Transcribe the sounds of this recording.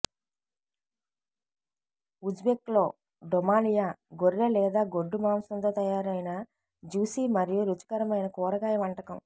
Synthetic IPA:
ud͡ʒbeklo̞ː | ɖɔmaːlijaːɡoɾːɐlɛːd̪aːɡoɖːumaːmsɐnt̪oːt̪ɐjaːɾɐjnɐ | d͡ʒuːsiːmɐɾijuɾut͡ʃɐ̥kɐɾɐmɐjnɐkɔːɾɐkaːjɐʋɐɳʈɐkɐm

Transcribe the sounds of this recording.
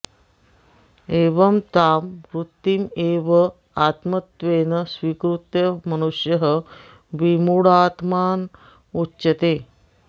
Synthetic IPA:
eːʋəmt̪aːmɾut̪ːimeʋə | at̪mət̪ʋeːnəsʋikɾut̪jɐmɐnuʂjəɦə | ʋimuɽat̪maːn | utːɕɐt̪e

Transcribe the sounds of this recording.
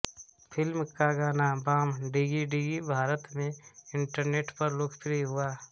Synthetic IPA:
pʰɪlmkaɡaːnabaːmɖiɡiɖiːɡibʱaːɾət̪mẽɪ̃ɳʈəɾneːʈpəɾloːkʰpɾiɦʊaː

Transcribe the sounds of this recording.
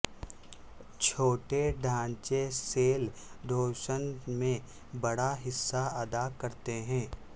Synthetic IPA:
t͡ʃʰoːʈeɖʱãːnt͡ʃeseːld̪ʱoːʃənmẽ | bɐɽaɦɪsːaɐd̪akɐɾt̪eɦɛ̃ː

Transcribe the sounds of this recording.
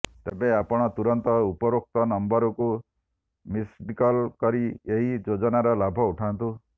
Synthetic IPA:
t̪ebeapɔɽ̃ɔt̪uɾɔnt̪ɔupɔɾok̚t̪ɔnɔmbɔɾɔku | misbikɔlkɔɾieɦid͡ʒod͡ʒɔnaɾɔlabʱɔuʈʰant̪u

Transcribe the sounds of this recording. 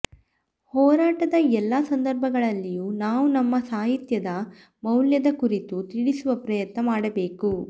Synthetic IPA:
hɔːɾaːʈɐd̪ɐɛlːɐsɐnd̪ɐɾbʱɐɡɐɭɐlːijuːnaːʋunɐmːɐsaːɦit̪jɐd̪ɐ | mɐwljɐd̪ɐkuɾit̪ut̪iɽisuʋɐpɾɐjɐt̪nɐmaːɽɐbe̞ːku

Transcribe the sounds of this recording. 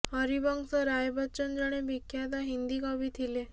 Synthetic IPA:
hɔɾibɔŋsɔɾajbət͡ʃənd͡ʒɔɽ̃ebikʰːjat̪̬aɦind̪ikɔbit̪ʰile

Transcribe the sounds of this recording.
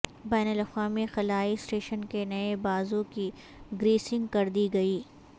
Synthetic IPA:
bɛːnəlɐxwaːmixɐlaːisʈeːʃənkenɐebaːzõki | ɡɾiːsɪ̃ŋɡkɐɾd̪iɡɐiː

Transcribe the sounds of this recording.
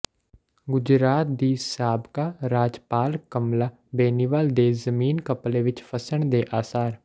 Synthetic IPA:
ɡʊd͡ʒɾaːt̪̚d̪iːsaːbkaːɾaːd͡ʒpaːlkəmlaː | beːniːʋaːld̪eːzəmiːnkəpleːʋɪt͡ʃpʰəsəɳd̪eːʔaːsaːɾ

